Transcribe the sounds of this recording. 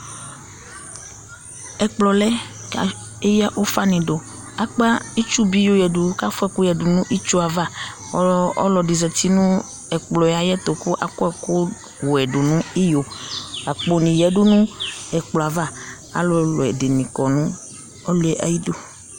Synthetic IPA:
ɛ˨k͡plɔ˨lɛ˦ka̰˨ | e˦ja˦ʔo˦fa˦nĩ˨ɖo˨ | a˦k͡pa˦i˦t͡ʃu˦bi˦jo˦jɛ˨ɖu˨˦ka˦fɔ˦ɛ˦ku˦jɛ˨ɖu˨nũ˦ʔi˦t͡ʃu˦a˨va˦ | ɔ̰˦lɔ˨di˨zɛ˨t̪i˦nũ˦ | ɛ˨k͡plɔ˨ja˨jɛ˦t̪o˨ku˦ʔa̰˨kɔ˦ɛ˨ko˦ | wo˨ɛ˨ɖo˨nũ˦i˦jo˨a˨k͡po˨nĩ˨jɛ˨˦ɖu˦nũ˦ɛ˨k͡plɔ˨a˨va˦ | a̰˨lo˦lɔ˨ɛ˨de˨nĩ˨kɔ˨nũ˦ | ɔ˦lu˦ɛ˦ʔa̰˦ji˦do˦

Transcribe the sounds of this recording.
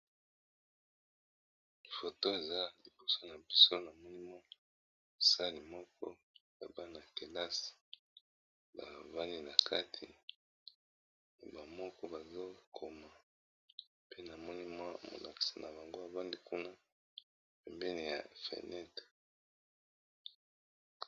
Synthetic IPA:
fo˨to˦e˨za˦li˨bo˨so˦na˨bi˦so˦na˨mɔ˦ni˦mwa˦ | mo˨sa˦li˨mɔ˦kʰɔ˦ | ja˨ba˦na˨te˨la˦si̥˨ | ba˨va˦ni˦na˨kʰa˦tʰi˨ | ba˨mɔ˦kɔ˦ba˨zo˦kʰo˨ma˨ | pe˦na˨mɔ˦ni˦mwa˦mo̰˨la̰˨ki̥˨sa˨na̰˨ba˨ŋɡo˦a˨va˦ndi˦ku˦na˦ | pɛ˨mbɛ˦ni˨ja̰˨fḛ˨nɛ˦t

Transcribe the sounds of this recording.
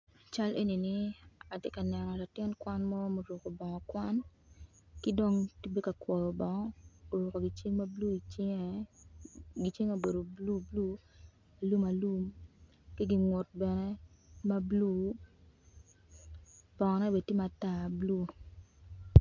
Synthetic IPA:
a˨t͡ʃa˦lʔe˦ni˨ni˨a˨te˦ka˨nɛ˨nɔ˨la˨tɪ˦nkwa˦nmɔ˦mo˨ɾu˨ko˨bɔ˨ŋɔ˨kwa˦n | kɪ˦do˦ŋti˦be˦ka˨kwɔ˨jɔ˨bɔ˨ŋɔ˦o˨ɾu˨ko˨ɡi˨t͡ʃe˦ŋma˦blu˦i˨t͡ʃŋ˦ | ɡi˨˦t͡ʃe˦ŋo˦˨be˨do˨blu˦blu˦ | a˨lu˦ma˨lu˦m | ki˦ɡi˦ŋwo˨t̚bɛ˨nɛ˦ | ma˦blu˦ | b̥ɔ˨ŋɔ˨nɛ˦be˨ti˦ma˨ta˨blu˦

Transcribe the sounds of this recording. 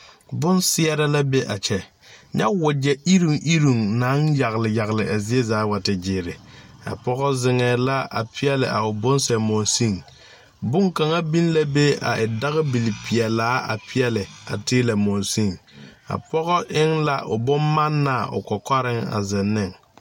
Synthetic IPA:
bʊ˦nsɪ˦ɛ˦ɾa˦la˦be˦ʔa˨t͡ʃɛ˨ | ɲa˦wʊ˨d͡ʒɛ˦i˦ɾu˨ŋʔi˦ɾu˨ŋna˨˦ŋja˨ɣlɪ˨ja˨ɣlɪ˨ʔa˨zɪ˦e˦zaː˨˦wa˨tɪ˨d͡ʒɪː˨ɾɪ˨a̰˨pɔ˦ɣɔ˦zɪ˦ŋɛː˨la˦a̰˨pʰɪ˦ɛ˦lɪ̰˨ʔa˨ʊ˨bʊ˦nsɛ˨mo˨nsi˦˨ŋ | bʊ˦ŋka˨ŋa˦bi˦n˦la˦be˦a̰˨ʔɪ˨da˦ɣɪ˦bi˨li˨pi˨ɛ˨laː˨˦a̰˨pʰɪ˦ɛ˦lɪ˨a̰˨tɪː˦la˨mo˨si˦˨ŋa̰˨pɔ˦ɣɔ˦ʔɪ˦ŋla̰˦ʔʊ̰˨bʊ˦mma˦nːa˦˨ʊ̰˨kɔ˨ka˦ɾɪ˦ŋa̰˨zɪ˨nːɪ˦˨ŋ

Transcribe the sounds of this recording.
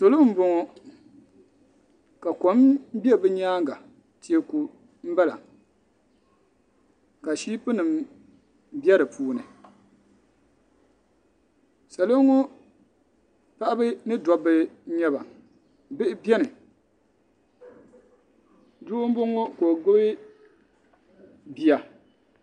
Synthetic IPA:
so˨lo˦m̩˦bo˨ŋɔ˨ | ka˨ko˨˦m˦bi˦ɛ˦bɨ˦ɲaː˦ŋɡa˨ | ti˦e˦ku˨ | m̩˦ba˦la̰˨ | ka˨ʃiː˦pɨ˦nɨ˨m | bi˦ɛ˦ɾɨ˨pʰuː˦nɨ˨ | sa˨lo˦ŋo˦ | pa˦ʔa˦bɨ˦nɨ˦dɔ˨bɨ˦ɲɛ˦ba˨ | bɨ˦ʔɪ˦bjɛ˦nɨ˨ | du˦ʔʊ˦m̩˦bo˦ŋo˦ko˨ɡo˦ɪ˦ | bi˨a˨

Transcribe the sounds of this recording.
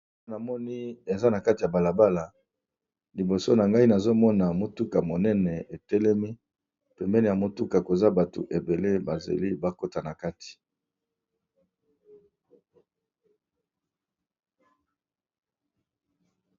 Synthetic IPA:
na˨mɔ˦ni˦e˨za˦na˨ka˦ti˨ja˨ba˨la˨ba˦la˨ | li˨bo˨so˦na˨ŋɡa˦i˦na˨zo˦mɔ˦na˨mo˨tu˦ka˨mo˨nɛ˦nɛ˨e˨tɛ˦lɛ˦mi˦ | pɛ˨mbɛ˦nɛ˨ja˨mo˨tu˦ka˨ko˨za˦ba˨to̰˨ʔe˨be˨le˦ba˨zḛ˨li˦ba˦ko˦ta˨na˨ka˦ti̥˨

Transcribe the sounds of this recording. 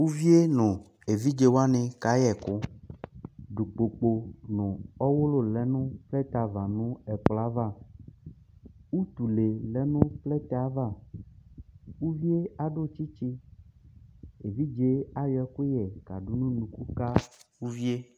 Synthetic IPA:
wu˦vi˦e˦nʊ̃˨ | e˨vi˦d͡ʒe˦wo˦a˦nẽ˨ka˨jɛ˨kʊ˦ | ɖu˨k͡po˨k͡po˨nʊ̃˨ɔ˦wo˦lo˦lɛ˨˦nũ˦plɛ˦t̪a˨va˨nũ˦ɛ˨k͡pla˦va˦˨ | wu˦t̪u˨le˨lɛ˦nũ˦plɛ˦t̪ɛ˨a˨˦va˦˨ | wu˦vi˦e˦a˨ɖo˦t͡ʃi˦t͡ʃi˦ | e˨vi˦d͡ʒe˦a˦jɛ˨ku˦jɛ˨ka̰˨ɖu˦nũ˦nũ˨ku˦ka˦wu˦vi˦e˦

